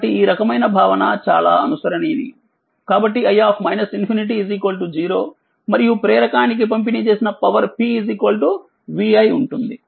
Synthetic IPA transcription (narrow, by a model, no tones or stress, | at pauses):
ʈːiiːɾɐkɐmɐjnɐbʱaːʋɐnɐ̰t͡ʃa̰ːla̰ːɐnusɐɾɐneːd̪ḭ | kaːbɐʈːiɐjːaːmɐjnɐsinpʰiniʈ̬izikoːlʈud͡ʒiːɾo̞ː | mɐɾijupɾeːɾɐkaːnik̬ip̬ɐmpinit͡ʃe̞ːsinɐpɐʋɐɾpizikoːlʈu | ʋiɐjuɳʈund̪i